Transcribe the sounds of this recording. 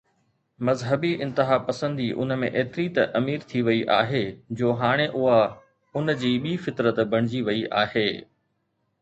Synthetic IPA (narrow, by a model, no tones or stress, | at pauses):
mɐzɦəbiʔɪ̃nt̪ɪɦaːpɐsə̃nd̪iʔʊ̰nəmẽʔeːt̪ɪɾit̪ɐʔɐmiːɾt̪ʰiʋɐiʔa̰ːɦed͡ʑoːɦaːɽ̃eʔʊɦa | ʊnd͡ʑiːɓiːfɪt̪ɾət̪bʱɐɽ̃ɪd͡ʑiʋɐiʔaːɦeː